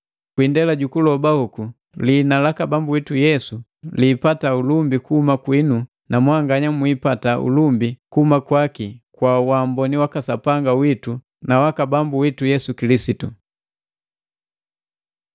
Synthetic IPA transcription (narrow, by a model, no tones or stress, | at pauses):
kwindɛlaɟukulɔbahuku | linalakabambuwitujɛsu | liːpataulumbikuhumakwinu | namwaŋɡaɲamwipataṵlumbikuhumakwakikwawambɔniwakasapaŋɡawitu | nawakabambuwitujɛsukilisitu